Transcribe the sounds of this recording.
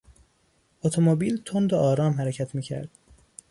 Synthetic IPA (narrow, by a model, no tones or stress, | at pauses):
ot̪ʰomobiːlt̪ʰond̪oʔɒːɾɒːmɦæɾecʰæt̪ʰmiːcʰæ̰ɾd̪̥